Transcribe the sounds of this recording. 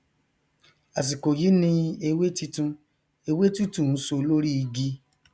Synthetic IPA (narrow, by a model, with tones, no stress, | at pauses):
a˨s̬i˨ko˨ji˨˦nĩ˧e˧we˦ti˧tũ˧ | e˧we˦tu˦tũ˦˨ũ˨˦so˧˦lo˦ɾi˦i˧ɡi˦